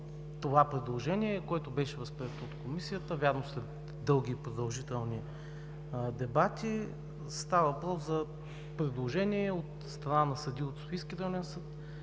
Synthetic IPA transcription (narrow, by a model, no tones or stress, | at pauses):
t̪ovapɾɛd̪lˠoʒɛnʲiɛkoɛt̪obɛʃɛvəspɾiɛt̪oot̪komisijət̪əvʲjaɾnosɛ | d̪ɤlˠɡʲiːpɾod̪ɐlˠʒit̪ɛlˠni | d̪ɛbat̪i | st̪avɐvɐpɾɔszɐ | pɾɛd̪lˠoʒɛniɛot̪ | st̪ɾɐnanɐsɐd̪ʲiot̪sofiskʲiɾlɛnsɤt̪